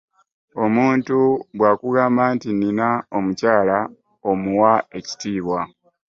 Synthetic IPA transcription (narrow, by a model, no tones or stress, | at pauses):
o̞muːntubwaːkuɡaːmbaːntininao̞mucaːla | o̞muwae̞ci̥tiːβwa